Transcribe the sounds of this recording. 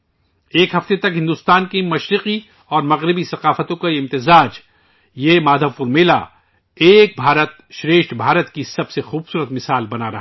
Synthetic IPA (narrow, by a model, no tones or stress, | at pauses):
eːkɦɐft̪et̪ɐkɦɪ̃nd̪ʊst̪aːnkimɐʃɾɪqi | ɔːɾmɐɣɾɪbisɐqaːfət̪õkaɪmt̪ɪzaːd͡ʒ | jemaːd̪ʱɐfʊɾmeːla̰ | eːk̚bʱaːɾət̪ʃɾeːʃʈbʱaːɾət̪kisɐbsexuːb̥suːɾət̪mɪsaːlbɐnaɾɐɦ